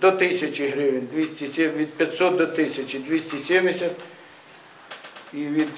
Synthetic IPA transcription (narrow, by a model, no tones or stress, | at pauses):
d̪ɔt̪ɪsʲɐt͡ʃɪɦɾɪʋɪnʲd̪ʲʋʲisʲtʲisʲemʋʲid̪̚pʲɐt̪ʲsɔt̪̚d̪ɔt̪ɪsʲɐt͡ʃʲɪd̪ʲʋʲisʲtʲisʲemdʲɪsʲɐt̪ | iʋʲid̪